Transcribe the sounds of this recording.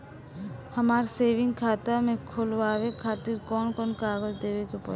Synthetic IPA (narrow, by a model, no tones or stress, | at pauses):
həmaɾseːʋiŋɡkʰaːt̪amẽkʰolwabekʰaːt̪iɾkɔnkɔnkaːɡold̪ebekepɔ̰